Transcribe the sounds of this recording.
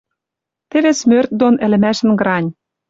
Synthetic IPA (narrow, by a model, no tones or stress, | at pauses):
t̪ĕβesmørt̪̚d̪onɘ̆lɘ̆mæʃɘ̆nɡɾɑnʲ